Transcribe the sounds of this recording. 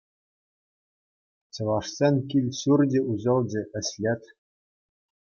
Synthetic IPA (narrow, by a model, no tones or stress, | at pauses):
t͡ɕɤ̆ʋɑʂsʲenʲkʲilʲɕurd͡ʑʲĕuʑɤ̆lˠd͡ʑɘ̆ɘ̆ɕlʲet̪ʲ